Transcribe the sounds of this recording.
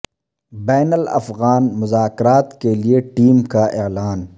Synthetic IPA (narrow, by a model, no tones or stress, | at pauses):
bɛːnəlɐ̰fɣaːnmʊzaːkɾaːt̪kelieʈiːmkaʔelaːn